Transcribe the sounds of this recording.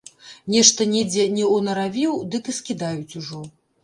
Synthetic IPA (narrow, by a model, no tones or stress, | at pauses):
nʲɛʂt̪ɐnʲɛd͡zʲɛnʲɛɔnɐɾavʲiwd̪ɨkɨskʲid̪ajut͡sʲuʐɔ